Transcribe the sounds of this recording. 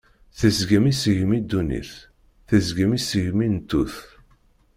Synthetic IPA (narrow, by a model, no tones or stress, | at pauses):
θəzɡəmisəʝmid̪ːunḭθ | θəzɡəmisəʝmint̪ːuθ